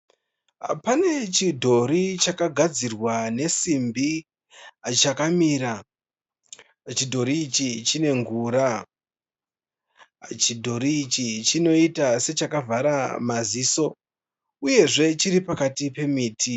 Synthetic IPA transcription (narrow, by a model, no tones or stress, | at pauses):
pane̞t͡ʃidʱo̞ɾit͡ʃakaɡʱad͡zirwane̞simbi | t͡ʃakamiːɾa | t͡ʃidʱo̞ɾiːt͡ʃit͡ʃine̞ŋɡuːɾa | t͡ʃidʱo̞ɾiːt͡ʃit͡ʃino̞itase̞t͡ʃakavʱaɾamaziːso̞ | uje̞ʐe̞t͡ʃiɾipakatipe̞miːtʰi